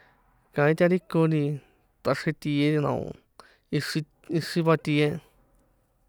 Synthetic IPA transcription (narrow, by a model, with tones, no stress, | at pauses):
kã˧ĩ˦t̪ʲa˧ɾi˦kõ˧nĩ˧ | t̪a˧ʂe˧t̪i˧e˧˦ɾi˧nã̰˨õ̰˧ | i˧ʂi˧ | i˧ʂĩ˧βa˧t̪i˧e˦